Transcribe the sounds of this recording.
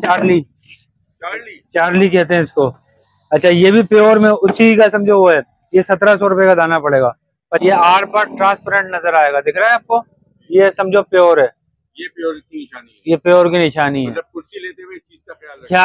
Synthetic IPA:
t͡ʃaːɾliː | lit͡ʃaːɾlikɛɦt̪eɦɛ̃ɪsko | ɐtːʃʰajeːbʱipeoːɾmẽʊsikasɐ̃md͡ʒʱoʋoɦɛː | jesɐt̪ɾasɔɾʊpekad̪aːnapɐɽeːɡaː | pɐɾjeaːɾpəɾʈɾãːspːɾẽɳʈnɐzəɾaːeːɡad̪ɪkʰɾaːɦɛaːp̚ko | jesɐ̃md͡ʒʱopeoːɾɦɛː | jepoːiaːn | jepeoːɾkinɪʃaːniɦɛːʊlet̪eid͡ʒjalkjaː

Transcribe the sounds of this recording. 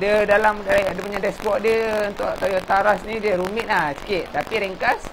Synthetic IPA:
dədalamdɾaadəpuɲadɛsbɔʔdjəunt̪ʊʔat̪ajɔt̪aɾasnidəɾumiʔ̪̚lahsi̥kɪʔt̪apiɾɛŋkas

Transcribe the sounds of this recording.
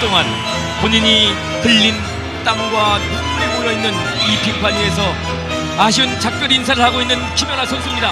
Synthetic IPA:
t͈oŋan | poɲiɲi | kɯʎːin | t͈aŋɡwanoŋmɯemuɾʌinːɯn | ipipʰaɲiesʰʌ | aɕ̬ʰiɯnt͡ɕak̚p͈jʌɾins̬ʰaɾɯɭhaɡoinːɯnt͡ɕʰumjʌnɦasʰʌnsʰuimɲida

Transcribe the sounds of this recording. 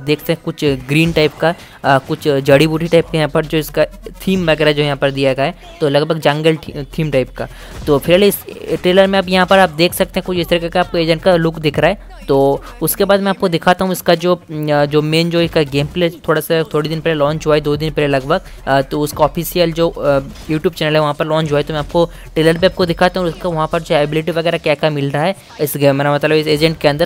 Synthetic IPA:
p̚d̪eːkʰt̪eɦɛ̃kʊt͡ʃʰɡɾiːnʈaːɪpka | kʊt͡ʃʰd͡ʒɐɽibuːʈʰiʈaːɪp̚kejɐɦãːpɐɾd͡ʒoːɪskat̪ʰiːmʋɐɡɛːɾad͡ʒoːjɐɦãpɐɾd̪ijaɡaɦɛ | t̪olɐɡbʱəɡd͡ʒɐ̃ŋɡəlʈʈ̪ʰiːmʈaɪp̚ka | t̪oːfʰɪɾaːleɪsʈɾeːləɾmẽaːp̬jɐɦãpɐɾaːp̚d̪eːkʰsɐk̚t̪eɦɛ̃kʊt͡ʃʰɪst̪ɐɾikekeaːp̚koeːd͡ʒə̃ɳʈkalʊkd̪ɪkʰɾaːɛː | t̪oː | ʊskebaːd̪mɛ̃aːp̚kod̪ɪkʰat̪aɦũɪskad͡ʒoːd͡ʒoːmeːnd͡ʒoːɪskaɡeːmpleːt̪ʰːoːɽasat̪ʰoːɽid̪ɪnpɛɦlelɔ̃ːd͡ʒʊaːid̪oːd̪ɪnpɛːlelɐɡbʱəɡ | t̪oʊskaɔːfiːsijəld͡ʒoːjuːʈjuːb̚t͡ʃɛːnəlɦɛʋɐɦãpɐɾlɔ̃ːd͡ʒʊaːit̪omɛ̃aːp̚ko | ʈeːləɾpeːp̚kod̪ɪkʰat̪aɦuɔːɾʊskaʋɐɦãpɐɾd͡ʒoaːbɪlɪʈiʋɐɡɛːɾakjaːkamɪlɾaaɦɛ | ɪsɡɛmɾamɐt̪ləbɪseːd͡ʒɛ̃ɳʈkeɐ̃nd̪əɾ

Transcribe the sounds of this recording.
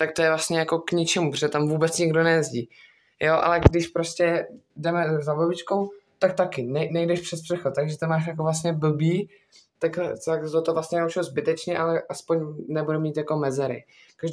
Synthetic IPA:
t̪ak̚t̪ojɛvlast̪ɲɛjako̞kɲɪt͡ʃɛmupɾo̥ʒɛt̪amvuːbɛt͡sɲɪɡdo̞nɛjɛzɟiː | joʔa̰lɛɡdɪʃpɾoscɛdɛmɛzabobɪt͡ʃkowt̪ak̚t̪akɪnɛnɛjdɛʃpr̥ɛt̪̚pr̥ɛxot̪t̪aɡʒɛt̪amaːʃ̬jakovlas̬t̪ɲɛbl̩biː | t̪akt̪akt̪ot̪ovlast̪ɲɛnaut͡ʃɪlzbɪt̪ɛt͡ʃɲɛʔalɛʔaspoɲnɛbudɛmiːt̪jako̞mɛzɛɾɪ̰ | kaʒd

